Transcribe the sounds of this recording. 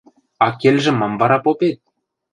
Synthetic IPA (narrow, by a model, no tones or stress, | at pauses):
ɑkelʲʒɘ̆mːɑmvɑɾɑpopet̪̚